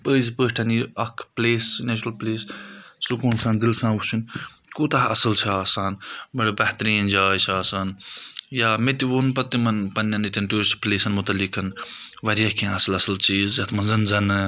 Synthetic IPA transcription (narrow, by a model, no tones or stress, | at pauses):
pəːzpəːʈʰɐniɐkʰpleːsneːt͡ʃɾɐlpleːssukuːnsãːnd̪ilsãːut͡ʃʰunkoːt̪ɐɦɐsɐlt͡ʃʰaːsaːnmɐɽibɐht̪ɾĩːnd͡ʒaːjsʰaːsaːnjaːmet̪iʋoːnpɐt̪ːimɐnpɐnːɐnit̪ʲɐnʈuːɾspleːsɐnmut̪ɐlːikɐnʋɐɾjɐkʰẽːɐsɐlɐsɐlt͡ʃiːzjɐt̪ʰmɐnzɐnzɐnɨ